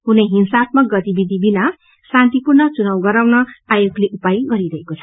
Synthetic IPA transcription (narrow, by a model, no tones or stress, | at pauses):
ɦuneɦinsat̪̚mʌk̚ɡʌt̪ibid̪ʱibina | sãnt̪ipurnʌt͡sunawɡʌɾawnʌajoɡleʔupajɡʌɾiɾʌɦekot͡sʰʌ̥